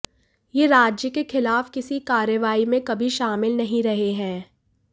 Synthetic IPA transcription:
jeːɾaːd͡ʒjəkexɪlaːfkɪsikaːɾjəʋaːimẽkɐbʱiʃaːmɪlnɐɦĩɾɐɦeɦɛ̃ː

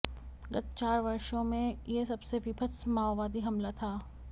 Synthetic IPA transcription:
ɡɐt̪t͡ʃaːɾʋɐɾʃõmẽjesɐbseʋipʰəsmaːʋaːd̪iɦɐmlat̪ʰaː

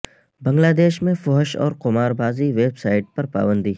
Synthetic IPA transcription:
bɐ̃ŋɡlaːd̪eːʃmẽfɔɦəʃɔ̰ːɾqʊmaːɾbaːziʋeːbsaːɪʈ̚pɐɾpa̰ːbə̃nd̪iː

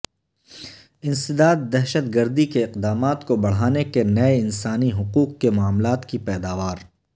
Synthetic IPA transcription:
ɪ̃nsɪd̪aːd̪ːɛɦʃət̪ɡɐɾd̪ikeɪqd̪aːmaːt̪kobɐɽ̤aːnekenɐeɪnsaːniɦʊquːq̚kemʊaːmlaːt̪kipɛːd̪aːʋaːɾ

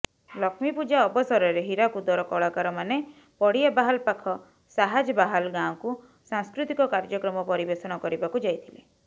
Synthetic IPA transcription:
lɔkʰmipud͡ʒaɔbɔsɔɾɔɾeɦiɾakud̪ɔɾɔkɔɭɔkaɾɔmane | pɔɽiabaɦalpakʰɔ | saɦad͡ʒɔbaɦalɡãɔku | sãŋskɾut̪ikɔkaɾd͡ʒɔkɾɔmɔpɔɾibesɔɽ̃ɔkɔɾibakud͡ʒajt̪ʰile

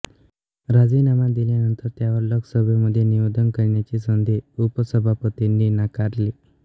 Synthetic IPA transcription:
ɾad͡ziːnamad̪iljanənt̪əɾt̪jaʋəɾloksəbʱəməd̪ʱːjeniʋəd̪ʱənkəɾɳjat͡ɕiːsənd̪ʱeupəsəbʱapət̪inːinakaɾli

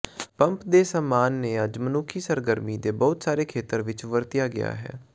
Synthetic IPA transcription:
pəmpd̪eːsəmaːnːeːəd͡ʒmənʊkʰiːsəɾɡəɾmiːd̪eːbɔːt̪saːɾeːkʰeːt̪əɾʋɪt͡ʃʋəɾt̪ɪjaːɡɪ̰ja̰ːɦɛ̰ː

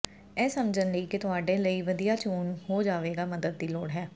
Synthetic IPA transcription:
ɛːsəmd͡ʒənləiːkɪt̪ʊaːɖeːləiːʋəd̪ijaːt͡ʃuːnhoːd͡ʒaːʋeːɡaːməd̪əd̪̚ːiːloːɽɦɛː

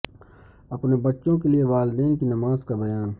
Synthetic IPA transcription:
ɐpnebɐtːʃõkelieʋaːld̪eːnkinɐmaːzkabɐjaːn

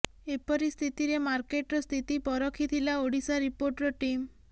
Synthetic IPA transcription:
epɔɾist̪ʰit̪iɾemaɾkeʈɾɔst̪ʰit̪ipɔɾɔkʰit̪ʰilaoɽisaɾipoɾʈɾɔʈim

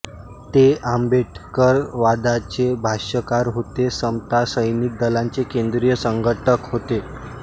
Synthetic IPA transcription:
t̪eambeʈkəɾʋad̪at͡ɕebʱaɕəkaɾɦot̪esəmt̪asəjniːk̪̚d̪əlaɲt͡sekend̪ɾijəsəŋɡʱəʈʰəkɦot̪e

